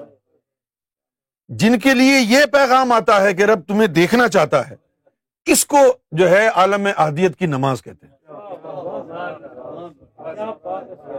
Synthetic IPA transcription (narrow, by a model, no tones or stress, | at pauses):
d͡ʒɪnk̬eliejepɛːɣaːmaːt̪aɦɛk̬eɾɐb̚t̪ʊmẽd̪eːkʰnat͡ʃaːɦt̪aɦɛː | ɪskod͡ʒoːɦɛaːləmːẽʔɐɦd̪ijət̪kinɐmaːzkɛɦt̪eɦɛ̃